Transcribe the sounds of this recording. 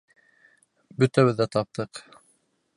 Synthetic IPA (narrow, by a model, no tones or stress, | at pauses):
bɵ̆t̪æβɘðːæt̪ɑp̚t̪ɤq